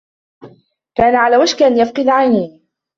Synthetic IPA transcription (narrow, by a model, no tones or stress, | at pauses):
kaːnaʕalaːwaʃkʔanjafqɨd̪ʕajniː